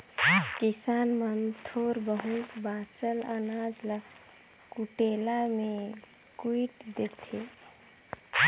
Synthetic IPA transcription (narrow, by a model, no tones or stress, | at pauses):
kisanmənt̪ʰoɾbəɦut̪bat͡ʃələnad͡ʒlə | kuʈelame | kuiʈd̪et̪ʰe